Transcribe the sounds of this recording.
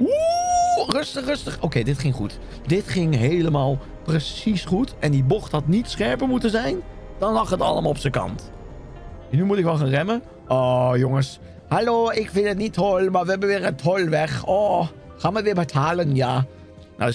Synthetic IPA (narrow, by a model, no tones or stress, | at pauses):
u | rɵstəχrɵstəχokeːdɪtχɪŋχut | dɪtχɪŋɦeːləmaːlˠ | prəsisχutʔɛndibɔχthɑtnitsχɛɹpəɹmutənzɛjnd̥ɑnlɑχətɑ̰lˠəmalɔpsəkɑ̰nt | nymutɪkʋɛlˠχaːnrɛmə | ʔɔjoŋəs | haloːɪkfɪntətnitʰhɔlmaːɹʋəɦɛbənʋɪːɹətʰɦɔlʋɛχɔː | χaːnməʋɪːɹbətʰaːlənjaː | na̰